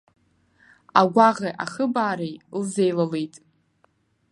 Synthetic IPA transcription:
aɡʷaʁaʔaχəbaːɾejlzejlalejtʼ

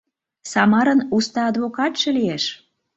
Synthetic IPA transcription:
sɑmɑɾənust̪ɑːd̪βokɑt̪ʃĕlieʃ

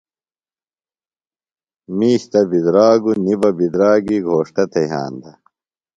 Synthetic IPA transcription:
miːɕt̪ɐbid̪ɾaːɡunibɐbid̪ɾaːɡiɡʱoːʂʈɐt̪ʰɐjɦa̰ːnd̪ɐ

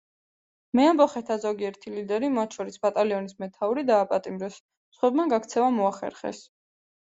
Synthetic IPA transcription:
mɛambɔχɛt̪ʰazɔɡiɛɾt̪ʰilid̪ɛɾimat̪ʰʃɔɾisbat̪ʼaliɔnismɛt̪ʰauɾid̪aːpʼat̪ʼimɾɛs | sχwɛbmaɡakʰt̪sʰɛvamɔaχɛ̰ɾχɛ̰s

